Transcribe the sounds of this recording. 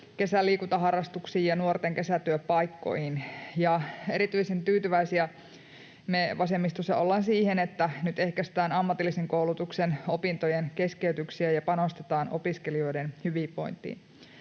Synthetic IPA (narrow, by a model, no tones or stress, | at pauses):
ke̞sælːiːkut̪ɑɦɑrːɑst̪uksiːjjɑnuort̪eŋke̞sæt̪yøppːɑikːo̰ijhinjɑe̞ɾit̪yisent̪yːt̪yʋæisiæ | meʋɑsemːist̪osːɑ̰olːɑnsiːhenet̪ːænyt̪e̞hkæst̪æːnɑmːɑt̪ilːiseŋkoulut̪uksenopint̪ojenke̞skeyt̪yksiæjɑpɑno̞st̪et̪ɑːno̰piskelio̞jdenhyʋiːpo̞̰jnt̪ːḭːn